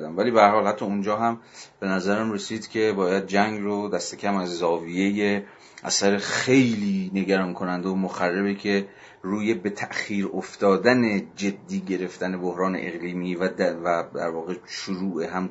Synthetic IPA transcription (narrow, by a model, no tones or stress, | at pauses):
d̪æmvæliːbehæɾhɒːlhæt̪ʰːɒːund͡ʒɒːɦæmb̥e̞næzæɾæmre̞siːd̪̥cʰe̞bɒːjæd̪̚d͡ʒæŋɡrod̪æst̪e̞cʲʰæmæzːɒːvije̞je | ʔæ̰sæɾe̞xe̞jliːne̞ɡæɾɒːŋkʰonænd̪omoxærːebekʰe̞ | ɾuːje̞be̞t̪ʰæʔxiːɾoft̪ɒːd̪æne̞d͡ʒe̞d̪ːiːɟe̞ɾe̞ft̪æne̞bohɾɒːne̞̰ʔeɣliːmiːvæd̪væd̪æ̰ɾvɒːɣe̞ʃuɾuːʔeɦæm